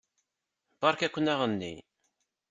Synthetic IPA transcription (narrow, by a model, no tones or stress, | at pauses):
bɑɾkækʷːənæʁənːḭ